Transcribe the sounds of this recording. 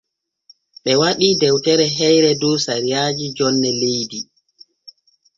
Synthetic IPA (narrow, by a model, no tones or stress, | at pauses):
ɓɛwaɗidɛwtɛɾɛɦɛjɾɛdɔːsaɾijaːd͡ʒid͡ʒɔnːɛlejdi